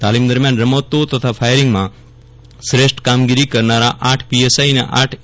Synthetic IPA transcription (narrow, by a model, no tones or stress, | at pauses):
t̪alimd̪əɾmjanɾəmot̪ːot̪ət̪ʰafʰajɾɪŋɡmã | sɾeʃʈkamɡiɾikəɾnaɾaʔaʈʰpiesainḛʔaʈʰ